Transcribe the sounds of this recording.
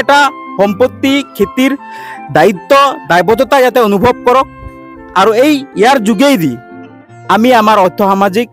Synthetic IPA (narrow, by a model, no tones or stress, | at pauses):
ɛʈahɔmpot̪ːikʰet̪iɾd̪ait̪ːɔd̪ajbɔt̪ɔt̪ajat̪ɛonubʱɔb̚kɔɾɔk̚ | aɾuejːjaɾd͡ʒuɡejd̪i | amiamaɾɔjt̪ʰːɔɦamad͡ʒik̚